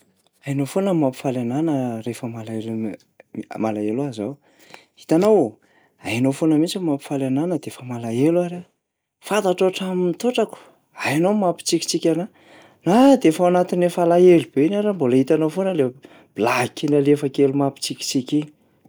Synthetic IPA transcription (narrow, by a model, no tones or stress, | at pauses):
ajanofonəmapi̥falananəɾefəmalael | malaelazaw | it̪anaw | ajanofonəmit͡simapi̥falananəd̪efəmalaelwaɾa | fant̪aʈ͡ʂoʈ͡ʂamint̪oʈ͡ʂaku̥ | ajanowmapi̥t͡sikʲi̥t͡sikʲana | nad̪eefaanat̪inefalaelub̥einaɾamboləit̪anowfonəle | b̥ilakinalefəkelumapi̥t͡sikʲi̥t͡sikʲi